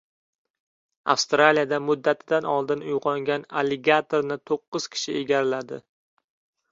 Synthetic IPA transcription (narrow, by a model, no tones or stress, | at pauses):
a̰fst̪ɾalijad̪amʊd̪ːat̪ʰɪd̪anɒlˠd̪ɪnʊjʁɒŋɡʲanaleɡat̪ʰoɾnɪt̪ʰoqːɨz̥kʲʰɪ̥ʃɪʔeɡʲaɾɪlad̪ɪ̰